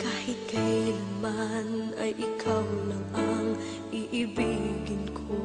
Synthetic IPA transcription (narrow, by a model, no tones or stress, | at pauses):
kaːhɪt̪̚kajinɪmanajʔɪkʰawlaŋaŋ | ʔɪʔɪbiɡɪnkʰo